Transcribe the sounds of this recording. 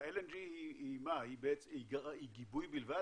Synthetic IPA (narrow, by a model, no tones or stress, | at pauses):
eleniiimahibeiɡaiɡibujbilva